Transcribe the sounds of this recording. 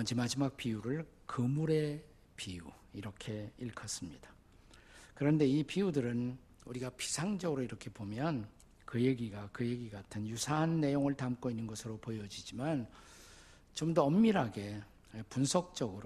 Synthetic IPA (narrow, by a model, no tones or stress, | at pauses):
ʌnd͡ʑimad͡ʑimak̚p͈iuɾɯɭ | kɯmuɾe̞ | piu | iɾʌkʰe̞iɭkʰʌs͈ɯmɲid̥ḁ | kɯɾʌnde̞ipiudɯɾɯn | uɾiɡapʰi̥sʰaŋd͡ʑʌɡɯɾoiɾʌkʰe̞bomjʌn | kɯje̞ɡiɡakɯje̞ɡiɡatʰɯnjusʰaɦanːe̞joŋɯɭtamk͈oinːɯnɡʌsʰɯɾopojʌd͡ʑid͡ʑiman | t͡ɕomdʌʌmːiɾɦaɡe̞ | punsʰʌk̚t͡ɕ͈ʌɡɯɾ